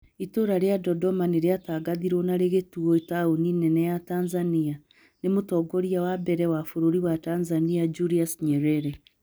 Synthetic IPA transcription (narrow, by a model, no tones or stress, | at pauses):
itoɾaɾjadɔdɔmaneɾeataːɡaðiɾwonaɾeɣetuɔitaoninɛnɛjataːnzania | nemutɔːɡoɾiawabɛɾɛwafoɾoɾiwatanzaniad͡ʒuɾiasɲɛɾɛɾɛ